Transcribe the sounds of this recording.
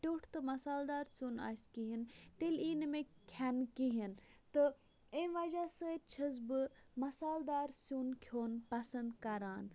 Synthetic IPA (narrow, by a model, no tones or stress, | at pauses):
ʈʲoːʈʰt̪ɨmɐsaːld̪aːɾsuːna̰ːskiɦint̪eliːnmẽkʰankiɦint̪ɨ | ẽːʋaːd͡ʒaːsət̪̚t͡ʃʰɐzbɨmɐsaːld̪aːɾsunkʰjoːnpɐsɐnd̪kɐɾaːn